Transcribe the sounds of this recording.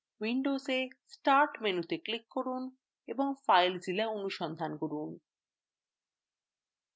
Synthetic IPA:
wiɳɖozesʈaɾʈmenut̪eklikːoɾun | eboŋfajld͡ʑilaonuʃɔnd̪ʱankoɾun

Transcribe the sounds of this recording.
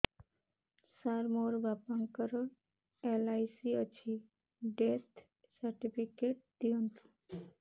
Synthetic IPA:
saɾmoɾbapaŋkəɾɔ | elajsiət͡ɕʰi | ɖesʈ | səɾʈipikeʈ̚d̪̥iont̪ʰu̥

